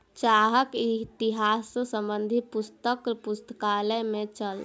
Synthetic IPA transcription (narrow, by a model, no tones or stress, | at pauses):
t͡ʃaɦəkit̪iɦasːsəmbənd̪ʱipust̪əkpust̪əkaləmẽt͡ʃəl